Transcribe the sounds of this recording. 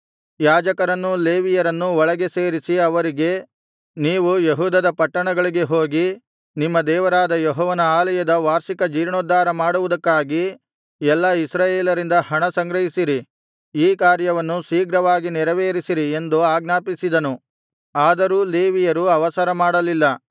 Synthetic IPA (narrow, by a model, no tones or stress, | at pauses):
jaːd͡ʒɐkɐɾɐnːule̞ːʋijɐɾɐnːuɔɭɐɡe̞se̞ːɾisiɐʋɐɾiɡe̞ | niːʋujeɦuːd̪ɐd̪ɐpɐʈːɐɳɐɡɐɭiɡe̞ɦo̞ːɡi | nimːɐd̪ɛːʋɐɾaːd̪ɐjɔɦɔːʋɐnɐaːlɐjɐd̪ɐʋaːɾʃikɐd͡ʒiːɾɳoːd̪ːaːɾɐmaːɽuʋud̪ɐkːaːɡi | ɛlːɐisɾaːjeːlɐɾind̪ɐhɐɳɐsɐŋɡɾɐɦisiɾi | iːkaːɾjɐʋɐnːusiːɡɾɐʋaːɡinɛɾɐʋeːɾisiɾie̞nd̪uaːɡnaːpisid̪ɐnu | aːd̪ɐɾuːle̞ːʋijɐɾuɐʋɐsɐɾɐmaːɽɐlilːɐ